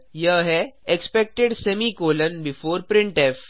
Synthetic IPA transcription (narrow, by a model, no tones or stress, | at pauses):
jəɦɛekspɛk̚ʈeɖsɛmikoːlə̃nbɪfoːɾpɾɪ̃ɳʈef